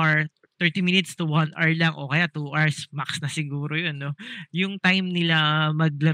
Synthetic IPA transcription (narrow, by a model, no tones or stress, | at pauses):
ʔaɹ | t̪ɛɹt̪iminɪt̪st̪uwɐnʔaɹlɐŋʔo̞̰kɐjat̪uʔaɹsmaksnɐsɪɡuːɾojonːojʊŋt̪ajmnɪlamɐɡ̚lɐɾ